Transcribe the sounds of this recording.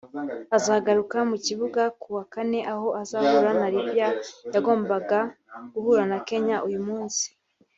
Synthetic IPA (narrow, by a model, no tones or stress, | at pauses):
azaɡaɾukamuciβuɡakuwakane̞ʔaho̞azahuɾanaɾibjajaɡo̞ːmbaɡaɡ̥uhuɾanake̞ɲaʔujumuːnsi̥